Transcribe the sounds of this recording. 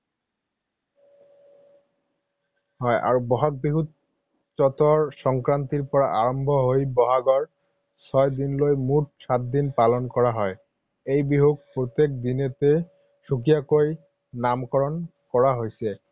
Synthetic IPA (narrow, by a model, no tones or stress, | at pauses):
ɦɔjʔa̰ɹubɔɦak̚biɦut̪̚ | t͡ɕɔt̪ɔɹsɔŋkɹant̪iɹpɔɹaʔaɹɔmbʱɔɦojbɔɦaɡɔɹ | sɔjd̪inlojmut̚sat̪̚d̪inpalɔnkɔɹaɦɔj | ejbiɦuɡ̚pɹot̪ːek̚d̪inet̪e | sukijakoj | namkɔɹɔn | kɔɹaɦojsɛ